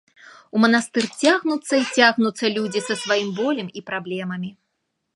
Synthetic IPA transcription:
umɐnast̪ɨrt͡sʲaɣnut̪sːɐit͡sʲaɣnut̪sːɐlʲud͡zʲisɐsvajimbɔlʲɛmipɾablʲɛmɐmʲi

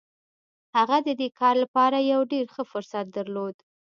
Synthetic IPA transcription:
haɣad̪əd̪ekʰɑɾlapɑɾajawɖeɾxəfʊɾsat̪̚d̪aɾlod̪

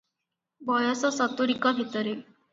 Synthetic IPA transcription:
bɔjɔsɔsɔt̪uɾikɔbʱit̪əɾe

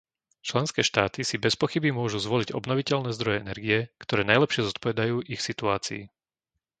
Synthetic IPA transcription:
t͡ʃlɛnskɛːʃt̪aːt̪isibɛspɔxibimʊɔʒuzʋɔliɟɔ̰bnɔʋicɛlnɛːzd̪ɾɔjɛɛnɛɾɡiɛkt̪ɔɾɛːnajlɛpʃɪɛzɔt̪pɔʋɛd̪ajuːʔixsit̪uaːt͡sḭː

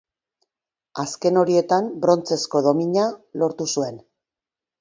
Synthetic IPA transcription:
aske̞no̞ɾie̞t̪ambɾo̞nt͡se̞sko̞ðo̞miɲalo̞ɾt̪usue̞n

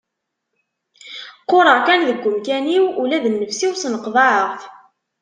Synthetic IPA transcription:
qːoɾˤəʁkænðəɡʷːəmkæniwulæðənːəfsiwsnəqðˤɑʕəʁθ

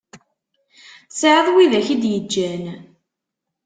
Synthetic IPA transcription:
sʕəðˤwiðæçid̪jəd͡ʒːæn

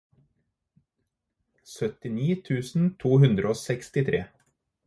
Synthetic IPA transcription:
sœt̪ɪniːt̪ʰʉːsn̩t̪ʰuːhʉnd̪ɾʔəoːsɛkst̪ɪt̪ʰɾeː

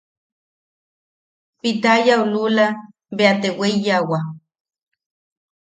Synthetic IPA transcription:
pit̪ajaulula | beat̪eweijawa

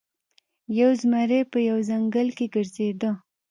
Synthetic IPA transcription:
jawzmaɾepəjawzaŋɡəlkeɡəɾzed̪ə

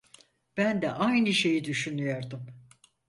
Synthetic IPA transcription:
b̥ænd̪ɛʔajnɯʃe̞jid̪yʃynyjoɾd̪ɯm

